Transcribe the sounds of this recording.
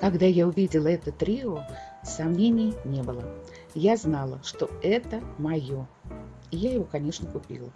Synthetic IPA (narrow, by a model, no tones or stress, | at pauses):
kɐɡd̪ajaʊvʲidʲɪlˠəɛt̪ət̪ɾʲiosɐmnʲenʲɪjənʲe̞bɨlˠə | jaznɑlˠəʂt̪oɛt̪əmɐjo̞ | ɪjajɪvo̞kɐnʲe̞ʂnəkʊpʲḭlˠə